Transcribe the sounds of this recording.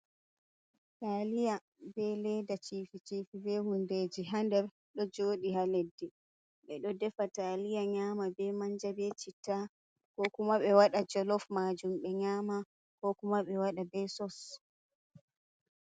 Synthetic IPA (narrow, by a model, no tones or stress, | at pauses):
taːlija | bɛlɛdat͡ʃiːfit͡ʃiːfibɛhundeːd͡ʒiɦandɛɾ | ɗɔd͡ʒoːɗihaledːɛ | ɓɛɗɔdɛfataːlijaɲaːmabɛmaɲd͡ʒabɛt͡ʃitːa | kɔkumaɓɛwaɗad͡ʒɔlɔfmad͡ʒumɓɛɲaːma | kɔkumaɓɛwaɗabɛsɔs